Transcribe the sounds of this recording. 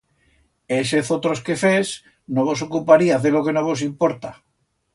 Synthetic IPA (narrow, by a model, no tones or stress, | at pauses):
eseθot̪ɾoske̞fes | noβ̞o̞s̬o̞kupaɾiaθelokenoβ̞o̞s̬impoɾt̪a